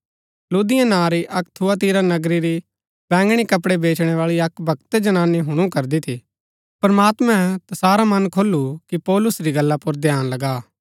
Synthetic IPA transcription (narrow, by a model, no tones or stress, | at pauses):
luːd̪ɪjãnãːɾiʔɐkt̪ʰuat̪̬iːɾanɐɡɾiɾi | bɛ̃ːŋɡɽ̃ikɐpɽebeːt͡ʃɽ̃eʋaːɭiɐkbʱɐkt̪ed͡ʒɐnãːnːiɦʊɽ̃ũkɐɾd̪it̪ʰi | pɾɐmaːt̪mɛ̃t̪ɐsaːɾamɐnkʰoːlukipɔːlʊsɾiɡɐlːapʊɾd̪ʱjaːnlɐɡaː